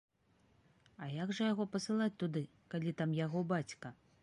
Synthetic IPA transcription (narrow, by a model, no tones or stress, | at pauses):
ɐjaɡʐɐjaɣɔpɐsɨlˠat͡sʲt̪ud̪ɨ | kalʲit̪amjaɣɔbat͡sʲkɐ